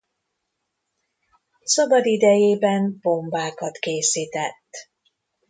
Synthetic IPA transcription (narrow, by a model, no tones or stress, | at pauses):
sɒbɒd̪id̪ɛjeːbɛmbo̞mbaːkɒt̪keːsiːt̪ɛt̪ː